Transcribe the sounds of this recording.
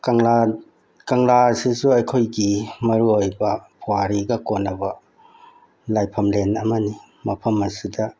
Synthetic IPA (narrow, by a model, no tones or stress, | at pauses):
kɐŋla | kɐŋlasisuɐjkʰojɡimɐɾuojbɐpʰowaɾiɡɐkonːɐbɐ | lajpʰɐmlenɐmɐni | mɐpʰɐmɐsudɐ